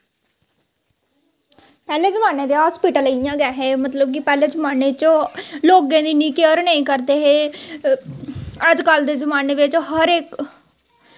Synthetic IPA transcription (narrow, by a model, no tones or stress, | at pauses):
pɛːleːzəmaːnẽːd̪eːɦoːspiːʈələjãːɡɛːɦeːmət̪ləb̚kɪpɛːleːzəmaːnet͡ʃloːɡẽːd̪iːniːkeəɾnəĩːkəɾd̪eːɦeː | əd͡ʒkəld̪eːzəmaːneːʋɪt͡ʃɦəɾek